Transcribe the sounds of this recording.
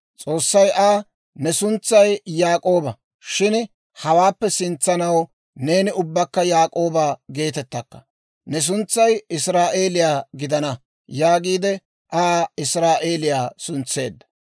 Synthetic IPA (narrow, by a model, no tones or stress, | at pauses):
t͡sʼo̞ːsːɐjʔaː | nɛsʊnt͡sːɐjjaːkʼo̞ːbɐ | ʃɪn | hɐwaːpːɛsɪnt͡sːɐnɐw | ne̞ːnɪʊbːɐkːɐjaːkʼoːbaːɡe̞ːt̪ɛt̪ːɐkːɐ̥̰ | nɛs̬ʊnt͡sːɐjɪsɾaːʔe̞ːlɪjaːɡɪd̪ɐnɐ | jaːɡiːd̪ɛ | ʔaːɪsɾaːʔe̞ːlɪjaːsʊnt͡sːe̞̰ːd̪ːɐ̥